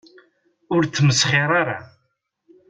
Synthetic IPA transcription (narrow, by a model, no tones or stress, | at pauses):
ʊɾθːməsχɪɾˤaɾa